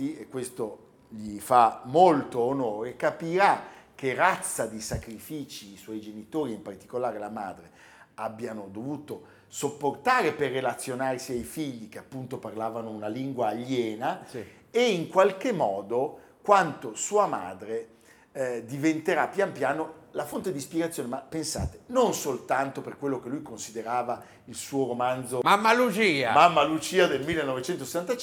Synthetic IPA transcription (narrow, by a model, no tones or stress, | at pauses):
iekwest̪o | ʎifamolt̪oːnoːɾekapiɾak̟ːerat̪sːad̪isakɾifiːt͡ʃiːswɔjd͡ʒenit̪oːɾiimpart̪i̥kolaːɾelamaːd̪ɾe | abːjanod̪ovuːt̪o | sopːort̪aːɾeperːelat̪sːjonarsiajfiʎːik̟eapːunt̪oparlaːvanounaliŋɡwaːʎːɛːna | eiŋkwalkemːɔːd̪o | kwant̪osuːama̰ːd̪ɾe | d̪ivent̪eɾapːjampjaːnolafont̪ed̪ispjeɡat̪sːjoːnemapːensa̰ːt̪e̥nonsolt̪ant̪operkwelːokelːujkonsid̪eɾaːva | ilsuːoɾomand̪zomamːalud͡ʒiːamamːalut͡ʃiːad̪elmilːenːɔvet͡ʃɛnt̪ose̥sːant̪at͡ʃ